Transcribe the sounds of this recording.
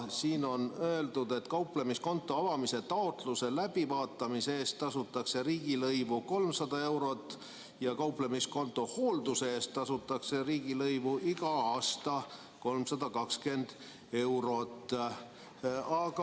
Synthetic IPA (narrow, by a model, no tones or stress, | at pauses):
siːno̞nøe̞ld̪̥ud̪̥e̞t̪kɑwplemisko̞nt̪ːˑo̞ɑvɑmise̞t̪ɑot̪luse̞læb̥ivɑːt̪ːˑɑmiseeːst̪ːɑsut̪ːˑɑkse̞ɾiːɡ̥ilɤjvuko̞lmsɑd̪̥ɑe̞wɾo̞t̪ˑː | jɑkɑwplemisko̞nt̪ːˑo̞hoːld̪useeːst̪ːɑsut̪ːˑɑkse̞ɾiːɡ̥ilɤjvuʔiɡɑɑːst̪ɑ | ko̞lmsɑd̪̥ɑkɑkske̞nd̪̥ | e̞wɾo̞t̪ː | ɑk